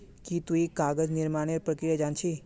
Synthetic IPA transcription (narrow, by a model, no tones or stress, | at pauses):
kit̪uikaːɡəd͡ʒnɪɾmaːɳ̃eɾpɾəkɾijad͡ʒaːnt͡ʃʰi